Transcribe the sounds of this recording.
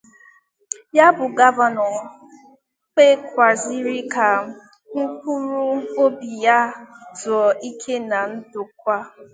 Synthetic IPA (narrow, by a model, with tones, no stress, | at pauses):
ja˦bʊ˨ɡa˦va˨nɔ˨ | k͡pe˦kʷa˨zi˦ɾi˦ka˨ | ŋ̩˦ku˦ɾu˦o˦bi˨ja˦tʊ˨ɔ˨ʔi˦kʰe˦na˨n̩˦dʊ˨kʷa˦